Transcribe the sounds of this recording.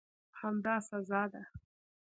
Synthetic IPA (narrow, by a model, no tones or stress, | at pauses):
hamd̪ɑsazɑd̪a